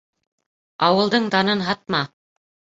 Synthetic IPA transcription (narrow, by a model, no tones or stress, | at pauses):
ɑwɤ̆lˠd̪ɤɴd̪ɑnɤnɦɑt̪̚mɑ